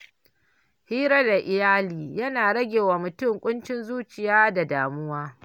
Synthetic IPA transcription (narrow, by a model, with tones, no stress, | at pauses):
hiː˦ɾɐ˦da˨ʔɪ˨jaː˦liː˨jɐ˦naː˨ɽɐ˦ɡʲeː˨waː˨mʊ˨tʊ˦˨ŋkʷʼʊ˦nt͡ʃɪ˦nzuː˦t͡ʃɪ˨jaː˦da˨daː˨mʊ˦waː˦